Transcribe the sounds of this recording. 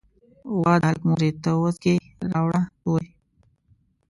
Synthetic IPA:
waːd̪alkmuɾet̪əwəzke | ɾaːwɽat̪oːj

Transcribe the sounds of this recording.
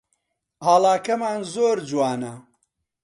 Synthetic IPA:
haːlaːkɐmaːnzoːɾd͡ʒuwaːnɐ

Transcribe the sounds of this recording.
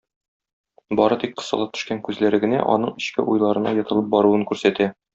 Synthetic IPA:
bɒɾɤt̪ik̚qɤ̥̆sɑ̰lˠɑt̪ʰɵ̥̆ʃkæŋkʉzlæɾɘ̆ɡɘ̆næ̰ʔɒ̰nɤɴɘ̆ɕkɘ̰ʔujlˠɑɾɤ̆nɑ̰jɒ̆t̪ɤ̆lˠɤp̚bɒɾuwɤŋkʉɾsæt̪æ

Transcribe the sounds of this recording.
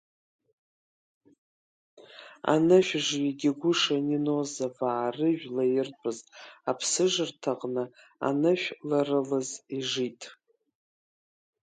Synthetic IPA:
a̰nɨʃʷᶣʐjaɡʲɪɡʷʊʂaninozavaːrɨʒᶣlajɪrʼɨzapʰsɨʐɨrtʰaqʼnɨ | a̰nɨʃᶣlarɨlɨziʐitʼ

